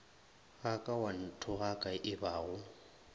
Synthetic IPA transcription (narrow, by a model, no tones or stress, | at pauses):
ɣakʼawan̩tʰʊɣakʼaʔɪbaːɣʊ